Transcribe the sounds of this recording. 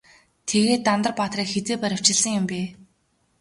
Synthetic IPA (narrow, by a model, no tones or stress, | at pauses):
t̪ʰeɣeːt̪ːamt̪ə̆rpaːt̪riːkxet͡seːpæɾʲɪ̆w̥t͡ɕɪ̆ɮsə̆ŋjʊ̆mpeː